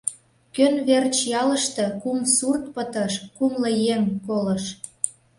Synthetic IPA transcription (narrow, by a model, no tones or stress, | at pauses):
kønβert͡ɕjɑlə̆ʃt̪ɤ̆kumsurt̪̚pə̆t̪ə̆ʃkumlɤ̆jeŋkolɤ̆ʃ